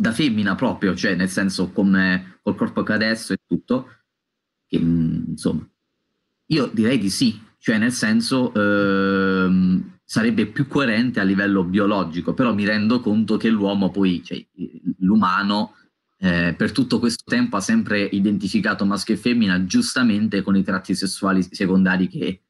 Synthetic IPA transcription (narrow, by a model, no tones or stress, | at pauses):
d̪afemːinapɾɔːpɾjot͡ʃoɛnelsɛnsokomekolkɔrpokad̪ɛst̪oet̪ːut̪ːo | k̟enso̰mːa | iːod̪iɾɛjd̪isit͡ʃoɛnːelsɛnsoʔ | msaɾɛbːepjukːoeɾɛnt̪ealːivɛlːobiolɔd͡ʒikopeɾɔmːiɾɛnd̪okont̪okelːwɔːmopɔjt͡ʃoɛ̰lumaːno | ɛpert̪ut̪ːokwest̪ot̪ɛmpoasːɛmpɾeʔid̪ent̪ifikaːt̪omaskefemːinad͡ʒust̪ament̪ekonit̪ɾat̪ːisesːuaːlisekond̪aːɾik̟e